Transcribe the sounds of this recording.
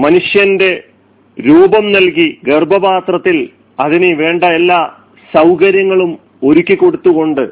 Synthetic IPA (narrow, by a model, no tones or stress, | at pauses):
mɐnuʂjɐnde̞ | ɾuːbɐmnɐlkiɡerbʱɐbaːt̪rɐt̪ːil | ɐðineʋe̞ːɳɖɐelːaː | sɐwkɐɾjɐŋːɐɭum | o̞ɾukʲːikːo̞ɽut̪ːuɣo̞ɳɖɨ